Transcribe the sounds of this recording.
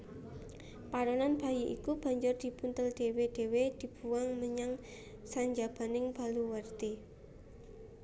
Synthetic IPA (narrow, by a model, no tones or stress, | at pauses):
paɾɔnanb̥a̤jiʔḭkub̥a̤ɲd͡ʒʊrd̪̥i̤punt̪əlɖ̪̥e̤weɖ̥e̤wed̪̥i̤b̥uwaŋməɲaŋ | saɲd͡ʒab̥a̤nɪŋb̥a̤luwərt̪i